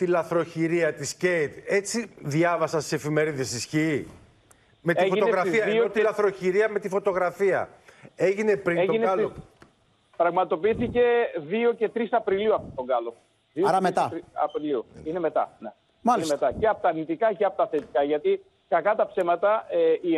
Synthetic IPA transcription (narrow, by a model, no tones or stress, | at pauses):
t̪ilɐθɾo̞çiɾiɐt̪iscejt̪e̞t͡siðʝɐvɐsɐst̪ise̞fime̞ɾiðesisçiː | me̞t̪iʝfot̪oneɾɐfiɐioot̪ilɐθɾo̞çiɾiɐme̞t̪ifo̞t̪o̞ɣɾɐfiɐ̰e̞ʝinepɾieʝoineɐlo | pɾɐɣmɐt̪o̞piiθice̞ðio̞ce̞t̪ɾisɐpɾiliuɐpot̪oŋɡɐlo | ðioɾɐmet̪ɐt̪iɐ̰pɾiliuine̞me̞t̪ɐ̰ne | maliesmet̪ɐceɐpot̪ɐɾnit̪ikɐceɐpot̪ɐθet̪ikɐʝɐt̪i | kɐkɐt̪ɐpse̞mɐt̪ɐei